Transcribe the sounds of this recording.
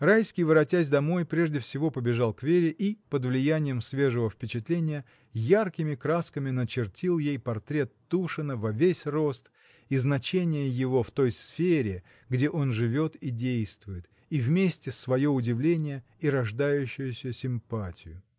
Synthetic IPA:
rajskʲɪjvɨɾɐtʲæsʲd̪ɐmo̞jpɾʲe̞ʐdʲɪfsʲɪvo̞pəbʲɪʐɑlˠkvʲeɾʲɪʔipəd̪vlʲɪjænʲɪjəmsvʲe̞ʐəvəfpʲɪt͡ɕɪt̪lʲenʲɪjə | jarkʲɪmʲɪkɾaskəmʲɪnət͡ɕɪrtʲilˠjejpɐrt̪ɾʲe̞t̪ːuʂɨnəvɐvʲesʲro̞st̪ | iznɐt͡ɕenʲɪjəjɪvo̞ft̪o̞jsfʲeɾʲɪ | ɡdʲe̞ʔo̞nʐɨvʲo̞t̪idʲejst̪vʊjɪt̪ | ivmʲesʲtʲɪsvɐjo̞ʊdʲɪvlʲenʲɪjə | iɾɐʐd̪ajʉɕːʊjʊsʲəsʲɪmpatʲɪjʊ̰

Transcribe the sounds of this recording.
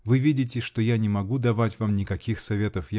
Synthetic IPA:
vɨvʲidʲɪt̬ʲɪʂt̪ojanʲɪmɐɡud̪ɐvatʲvamnʲɪkɐkʲixsɐvʲe̞t̪əfj

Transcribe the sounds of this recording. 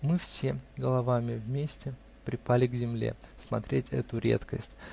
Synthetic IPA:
mɨfsʲeɡəlˠɐvamʲɪvmʲesʲtʲɪ | pɾʲɪpalʲɪɡzʲɪmlʲḛsmɐt̪ɾʲetʲɛ̰t̪ʊɾʲe̞̰t̪kəsʲtʲ

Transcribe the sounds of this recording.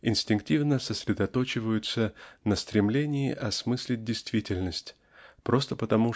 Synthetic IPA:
ɪnsʲtʲɪŋk̚tʲivnəsəsʲɾʲɪd̪ɐt̪ot͡ɕɪvəjʊt̪sənəst̪ɾʲɪmlʲenʲɪɪʔɐsmɨsʲlʲɪt̚ʲdʲɪjst̪vʲitʲɪlʲnəsʲtʲ | pɾo̞st̪əpət̪ɐmu

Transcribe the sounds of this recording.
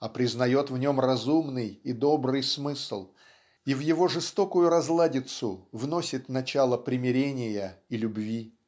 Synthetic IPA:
ɐpɾʲɪznɐjo̞t̪vnʲo̞mrɐzumnɨjid̪o̞bɾɨjsmɨslˠ | ivjɪvo̞ʐɨst̪o̞kʊjʊɾɐzlˠadʲɪt̪sʊvno̞sʲɪt̪nɐt͡ɕalˠəpɾʲɪmʲɪɾʲenʲɪjəilʲʊbvʲi

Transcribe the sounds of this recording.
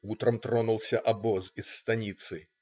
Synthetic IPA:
ut̪ɾɐmt̪ɾɔnulˠsʲɐʔɐbɔzisːt̪ɐnʲit̪sɨ

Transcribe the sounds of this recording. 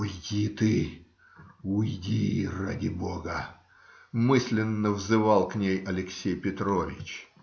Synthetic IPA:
ujdʲit̪ɨ | ʊjdʲiradʲɪboɡə | mɨsʲlʲɪnːəvzɨvalˠknʲejɐlʲɪksʲejpʲɪt̪ɾovʲɪ̰t͡ɕ

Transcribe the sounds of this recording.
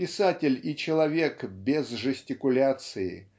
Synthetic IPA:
ɪsatʲɪlʲɪt͡ɕɪlˠɐvʲe̞kbʲɪzʐɨsʲtʲɪkʊlʲat̪sɨɪ̰

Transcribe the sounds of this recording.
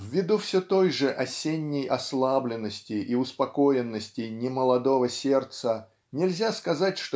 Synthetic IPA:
vʲvʲɪd̪ufsʲet̪o̞jʐɨʔɐsʲenʲːɪjʔɐslˠablʲɪnːəsʲtʲɪiʊspɐko̞ɪnːəsʲtʲɪnʲɪməlˠɐd̪o̞vəsʲe̞rt̪sə | nʲɪlʲzʲaskɐzatʲʂt̪

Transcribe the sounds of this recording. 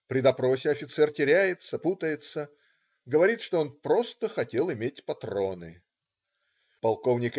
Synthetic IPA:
pɾʲɪd̪ɐpɾo̞sʲɪɐfʲɪt̪sɛrtʲɪɾʲæjɪt̪sɐput̪əjɪt̪sə | ɡəvɐɾʲit̪ʂt̪oonpɾo̞st̪əxɐtʲelˠɪmʲetʲpɐt̪ɾo̞nɨ̰ | pɐlˠko̞vnʲɪk

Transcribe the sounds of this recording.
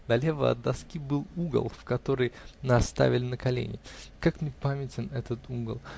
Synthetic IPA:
d̪ɐlʲe̞və̰ɐ̰d̪ːɐskʲibɨlˠuɡə̰lˠfkɐt̪o̞ɾəjnaɐst̪a̰vʲɪlʲɪnəkɐlʲḛnʲɪkakmnʲɪpamʲɪtʲɪnɛt̪ət̪ʰuɡə̰lˠ

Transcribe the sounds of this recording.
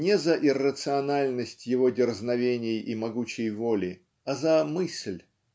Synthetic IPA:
nʲɪzəʔɪrːət̪sɨɐnalʲnəsʲtʲjɪvo̞dʲɪrznɐvʲenʲɪjimɐɡut͡ɕɪjvo̞lʲɪ | ɐzɐmɨsʲlʲ

